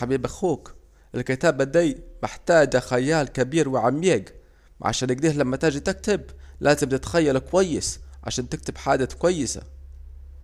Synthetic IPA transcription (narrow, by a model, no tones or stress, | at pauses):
abiːbaxuːk | ʔɪlkɪt̪aːbad̪ajmɪħt̪aːd͡ʒaxajaːlkabiːɾwɪʕamjeːɡ | ʕa̰ʃaːnɪɡ̚d̪iːhlamːat̪aːd͡ʒit̪ɪk̚t̪ɪb̚lʔaːzɪmt̪ɪt̪xajːalkwajːɪsʕa̰ʃaːnt̪ɪk̚t̪ɪbħaːd̪akwajːɪsa̰